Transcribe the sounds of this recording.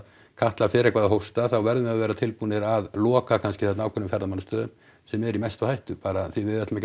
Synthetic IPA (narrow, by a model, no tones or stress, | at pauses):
kʰaht̪lafɪːɾɛkvaːðaɦowst̪aθawvɛɾðʏmɛðaðvɛːɾat̪ʰɪlpunɪɾaðlɔːkakʰanscɪ̥θɛt̪nawkʰɛnʏmfɛɾðamanːʏst̪œːðʏm | sɛmɛɾimɛjst̪ɔhajht̪ʏpaːɾaθivɪðɛt̪mɛc